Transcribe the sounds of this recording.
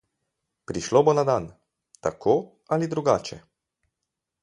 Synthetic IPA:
pɾiʃlobonad̪an | t̪akʰoː | alid̪ɾuɡaːt͡ʃɛ̰

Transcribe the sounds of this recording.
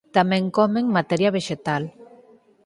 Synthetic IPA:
t̪amẽŋkɔmeŋmat̪ɛɾjaβeʒet̪al

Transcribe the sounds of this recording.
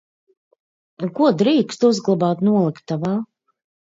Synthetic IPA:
kuɔd̪ɾiːkst̪uzɡlˠabaːt̪nuɔlˠikt̪ːavaː

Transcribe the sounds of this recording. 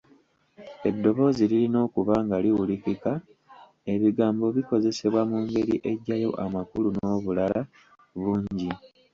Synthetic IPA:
e̞dːo̞βo̞ːzililino̞ːkuβaːŋɡaliwulikika | e̞βiɡaːmbo̞βiko̞ze̞se̞βwamuːŋɡe̞ɾiʔe̞ɟːajo̞̰ʔamakuluno̞ːβulala | βuːɲɟi

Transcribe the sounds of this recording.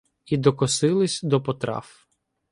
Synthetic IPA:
id̪ɔkɔsɪlˠɪsʲd̪ɔpɔt̪ɾɑ̰f

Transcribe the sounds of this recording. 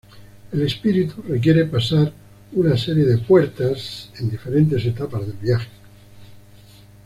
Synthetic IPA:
ele̞spiɾit̪urek̬je̞ɾepasaɾ | unaseɾjeðepwe̞ɾt̪asend̪ife̞ɾe̞nt̪e̞se̞t̪apazðe̞lβjaxe

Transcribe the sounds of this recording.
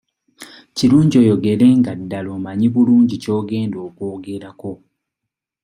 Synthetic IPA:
ciluːɲɟo̞ːjo̞ɡe̞ɾe̞ŋɡadːalo̞maɲiβuluːɲɟico̞ːɡe̞ːndo̞ːkoːɡe̞ɾako̞

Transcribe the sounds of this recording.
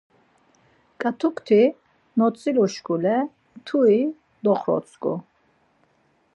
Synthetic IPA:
kʼat̪ʰukʰt̪ʰi | nɔt̪t͡sʼiluʃkulɛ | t̪ʰui | d̪ɔχɾɔ̰t̪sʰʼɡṵ

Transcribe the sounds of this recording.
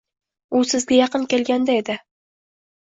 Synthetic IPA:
ʊsɪzɡʲajɑqɨnkʲe̞lɡʲand̪ae̞d̪ɪ

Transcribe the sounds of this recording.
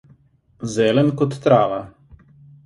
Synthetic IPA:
zɛːlɛnkɔt̪ːɾaːʋa

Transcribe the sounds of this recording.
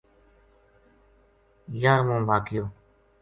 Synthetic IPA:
jaːɾmõːbaːkɪjoː

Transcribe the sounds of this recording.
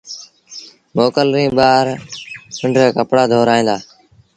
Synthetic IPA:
moːkəlɾĩːɓaːɾkəɳɖɾeːkəpɽaːd̪ʱoːɾaːĩːnd̪aː

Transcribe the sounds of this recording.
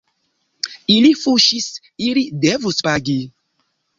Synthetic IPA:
ilifuʃis | ilidevuspaɡi

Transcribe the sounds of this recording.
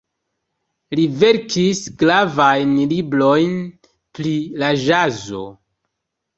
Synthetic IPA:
live̞ɾkʰisɡlavajnliblojn | pɾilaʒazo̰

